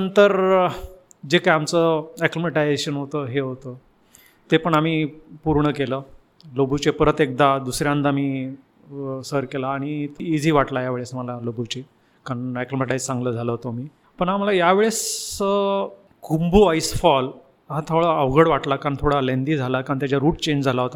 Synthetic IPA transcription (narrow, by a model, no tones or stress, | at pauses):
ənt̪əɾ | d͡ʑekajamt͡səɛklimeʈajd͡zeɕənɦot̪əɦeɦot̪ə | t̪epəɳam̤iːpuɾɳəkelə | lobut͡ɕepəɾət̪ek̚d̪ad̪usɾjãnt̪amiː | səɾkelaːɽ̃it̪ːd͡zʱiːʋaʈlajaʋeɭesməlalobut͡ɕe | kaɳɛklemeʈajzsãŋɡləd͡zʱaləɦot̪omiː | pəɳam̤alajaʋeɭesə | kʰumbuaisfɔl | ɦãt̪ʰəʋɭəəʋɡəɽʋaʈlakant̪ʰoɽalend̪iːd͡zʱalakaɳt̪jat͡ɕjaɾuːʈ̚t͡ɕẽɲd͡ʑd͡zʱalaɦot̪a